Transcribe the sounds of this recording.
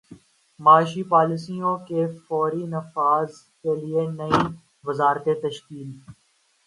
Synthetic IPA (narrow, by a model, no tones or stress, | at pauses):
maːʃipaːlɪsijõːkefɔːɾiːnɐfaːz | kelɪenəĩː | ʋəzaːɾt̪et̪əʃkiːl